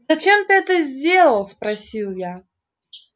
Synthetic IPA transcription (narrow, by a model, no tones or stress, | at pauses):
zɐt͡ɕemt̪ɨɛt̪əzʲdʲelˠəlˠspɾɐsʲilˠja